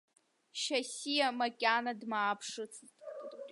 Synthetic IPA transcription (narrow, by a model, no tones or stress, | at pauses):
ʃasijamakʲʼanadmaːpʰʂɨt͡sʰʼtʼ